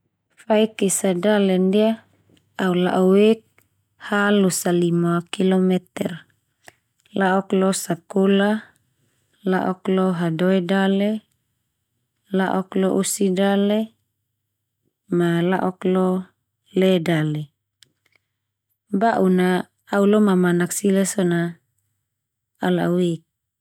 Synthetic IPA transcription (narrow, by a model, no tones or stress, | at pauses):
faikisadalɛndia | aula̰ʔɔwek̚ | halusalimakilɔmɛt̪ɛr | laʔɔklɔsakola | laʔɔklɔɦadɔɛdale | laʔɔklɔʔusidale | malaʔɔklɔ | lɛdale | baʔunaː | ulɔmamanaksilasɔna | lauwek̚